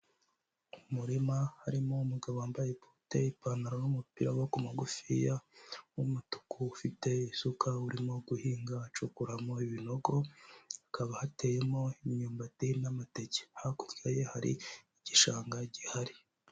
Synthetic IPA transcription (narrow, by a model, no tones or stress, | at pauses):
umuɾimahaɾimoumuɡaβoaːmbajepu̥te̞ipanaɾonumupiɾawokumaɡufijawumutu̥kuːfite̞isukʰauɾimo̞ɡuhiːŋɡat͡ʃukuɾamo̞iβino̞ɡo̞akaβahatejemo̞imɲuːmbatinamateɟe̥haku̥vɡajehaɾḭiɟiʃaːŋɡaɟihaɾi